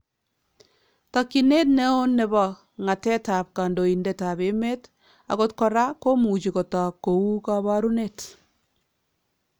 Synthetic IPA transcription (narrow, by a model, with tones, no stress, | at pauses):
ta˨kːi˨ne˦t̚nɛ˦o˦nːɛ˨ba˨ | ŋa˨tɛ˦ta˨p̚ka˨ndo˨i˨ndɛ˨ta˨be˨˦me˦t | a̰˨ko˨tkɔ˨ɾa˦ko˦mu˨t͡ʃi˨kɔ˨ta˨ko˨u˦ka˦βa˦ɾu˦ne˦t